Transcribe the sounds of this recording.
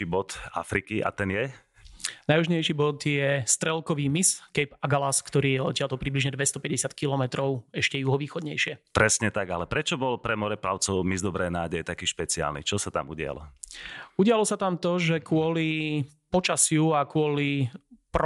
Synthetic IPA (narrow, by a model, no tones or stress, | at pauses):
ibɔt̪a̰fɾikiʔa̰t̪ɛnjɛ | najɦuʒɲɛjʃiːbɔd̪jɛst̪ɾɛlkɔʋiːmiskɛjpaɡalaskt̪ɔɾiːjɛɔcɪalt̪ɔpɾibliʒɲɛd̪ʋɛst̪ɔpɛɟɛsɪat̪kilɔmɛt̪ɾɔʊɛʃcɛjuɦɔʋiːxɔd̪ɲɛjʃɪɛpɾɛsɲɛt̪aɡalɛpɾɛt͡ʃɔbɔlpɾɛmɔɾɛpɾaʊt͡sɔʊmizd̪ɔbɾɛːnaːɟɛjɛt̪akiːʃpɛt͡sia̰lnḭt͡ʃɔsat̪a̰muɟɪa̰lɔ̰ | uɟɪalɔsat̪amt̪ɔʒɛkʊɔli | pɔt͡ʃasɪuakʊɔlip